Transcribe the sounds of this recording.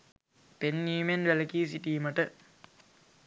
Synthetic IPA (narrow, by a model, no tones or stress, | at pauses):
penːiːmenʋelɐkiːs̬iʈiːmɐʈə